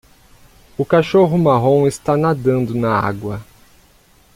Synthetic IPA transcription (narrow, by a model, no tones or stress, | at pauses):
ʊkaʃoɦʊmaɦõw̃ɪst̪anad̪ɐ̃nd̪ʊnɐa̰ɡwɐ